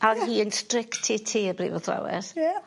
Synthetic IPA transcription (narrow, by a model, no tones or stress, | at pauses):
ʔanhiːənstrɪktʰitʰiːəbrḭːvɔθla̰wɪ̰ð